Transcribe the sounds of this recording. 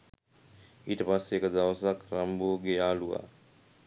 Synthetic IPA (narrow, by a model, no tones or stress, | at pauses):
iːʈəpasːeːkəd̪aʋəsakɾamboːɡeaːluʋa̰ː